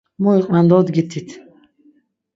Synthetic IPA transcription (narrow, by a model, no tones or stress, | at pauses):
mɔiqʼmand̪ɔd̪ɡit̪ʰːit̪ʰ